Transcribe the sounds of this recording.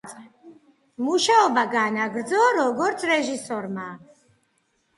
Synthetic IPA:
muʃaɔbaɡanaɡɾd̪zɔɾɔɡɔɾt̪sʰɾɛʒisɔɾmak

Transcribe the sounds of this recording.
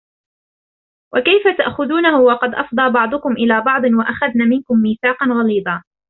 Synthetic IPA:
wʔakajfat̪aʔxʊðuːnaɦʊwɑqɑd̪ʔɑfd̪ˤɑːbɑʕd̪ˤʊkʊmʔɪlaːbɑʕd̪ˤɨnwaʔaxaðnaːmɪnkʊmːiːθaːqɑnɣɑliːd̪ˤɑː

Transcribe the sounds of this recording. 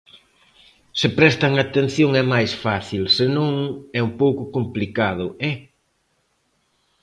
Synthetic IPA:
sɪpɾɛst̪aŋat̪en̟θjoŋɛmajsfaθilsɪnõŋɛumpowkʊkomplikað̞ʊʔɛ

